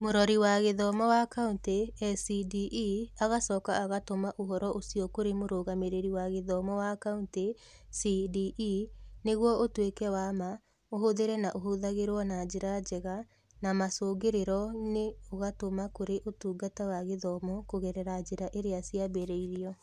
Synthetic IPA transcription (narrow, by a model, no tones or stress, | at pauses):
moɾɔɾiwaɣeðɔmɔwakaunteɛsidiʔiaɣasɔːkaːɣatomaʔoɦɔɾɔʔosiɔkoɾemoɾoːɣameɾeɾiwaɣeðɔmɔwakaunte | sidiʔineɣwɔotwekɛwama | oɦoðeɾɛnaʔoɦoðaɣeɾwɔnad͡ʒeɾad͡ʒɛɣa | namasoːɡeɾeɾɔneoɣatomakoɾeʔotuːɡatawaɣeðɔmɔkoɣɛɾɛɾad͡ʒeɾaʔeɾeasiabeɾɛiɾiɔ